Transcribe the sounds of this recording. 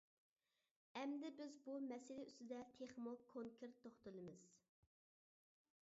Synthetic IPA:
ɛmd̪ɪbɪzbumɛsɪlɪyst̪ɪd̪ɛt̪ʰeχmʊlˠkʰːoŋkʲʰeɾt̪ʰːoχt̪ɨlˠɨmɨz̥

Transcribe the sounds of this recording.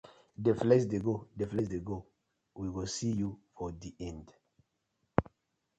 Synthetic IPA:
deflɛsdeɡodeflɛsdeɡo | wiwisijufɔdiʔɛ̃nd

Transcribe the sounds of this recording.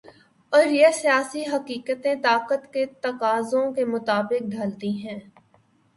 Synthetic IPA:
ɔːɾjesijaːsiɦɐqiːkət̪ẽt̪aːqət̪ket̪ɐqaːzõkemʊt̪aːbɪk̚ɖʱaːlt̪iɦɛ̃ː

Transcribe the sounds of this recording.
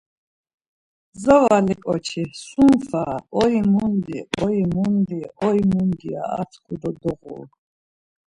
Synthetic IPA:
zɔvalikʼɔ̰t͡ʃʰisumfaɔimund̪iʔɔimund̪iɔimund̪ia̰at̪ʰkʰud̪ɔd̪ɔʁṵl

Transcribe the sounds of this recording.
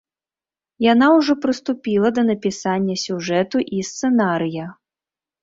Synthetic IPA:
janawʐɔpɾɨst̪upʲilˠɐd̪ɐnɐpʲisanʲːɐsʲuʐɛt̪uʔist̪sɛnaɾɨjɐ

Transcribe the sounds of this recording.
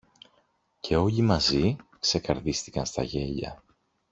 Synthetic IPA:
cʰe̞o̞ʎimɐzikse̞kɐɾðist̪ikɐnst̪ɐ̰ʝe̞ʎɐ̰

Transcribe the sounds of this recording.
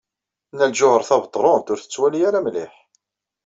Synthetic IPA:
nːælʒʊhəɾˤθɑvət̪ˤːɾˤont̪ʊɾθə̥t͡sːwælijæɾæmlɪħ

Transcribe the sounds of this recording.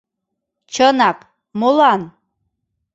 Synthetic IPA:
t͡ʃʰənɑk | molˠɑn

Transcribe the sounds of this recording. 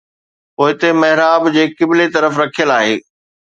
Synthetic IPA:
poːɦɪt̪emɐɦɪɾaːbd͡ʑeːkɪbɪlet̪ɐɾəfɾɐkʰijəlaːɦḛː

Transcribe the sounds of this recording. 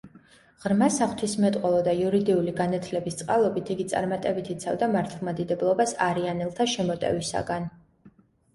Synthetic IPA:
ʁ̥ɾmasaχw̥t̪ʰismɛt̪ʼqʼɔlˠɔd̪ajuɾid̪iuliɡanat̪ʰlɛbist̪sʼqʼalˠɔbit̪ʰiɡit̪sʼa̰ɾmat̪ʼɛbit̪ʰit̪sʰa̰vd̪amaɾt̪ʰulˠmad̪id̪ɛblˠɔbasaɾianɛlˠt̪ʰaʃɛmɔt̪ʼɛ̰visa̰ɡan

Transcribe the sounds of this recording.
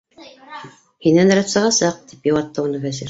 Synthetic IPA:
hinænɾæt̪sɑʁɑsɑq̚t̪ipjŏwɑt̪ːɤunɤβæziɾ

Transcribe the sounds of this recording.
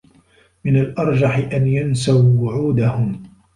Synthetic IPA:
mɪnalʔɑɾˤd͡ʒaħɪʔanjansawwʊʕuːd̪ahʊm

